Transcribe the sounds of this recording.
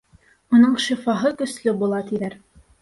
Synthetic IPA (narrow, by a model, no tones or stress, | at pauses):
unɤɴʃifɑɦɤkɵ̆slɵbulˠɑt̪iðæɾ